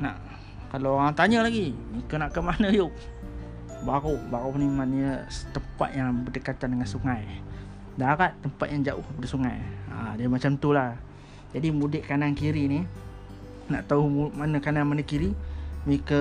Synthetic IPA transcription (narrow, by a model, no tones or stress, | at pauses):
naʔ | kalaoɾaŋt̪aɲəlaɡimikənaʔkəmanəjʊʔ̚ | baɣʊhbaɣunimanɲət̪əmpa̰t̪̚jaŋbudəkat̪andəŋansuŋaj | daɾat̪ːəmpat̪̚jaŋd͡ʒaʔʊ̰hkəpadəsuŋaja̰diəmat͡ʃamt̪ulah | d͡ʒadimudɪʔkanankiɾini | naʔt̪auhmanəkananmanəkiɾimikə